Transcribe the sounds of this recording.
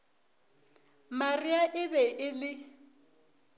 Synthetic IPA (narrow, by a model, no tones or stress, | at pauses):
mariaʔɪbɛʔɪlɪ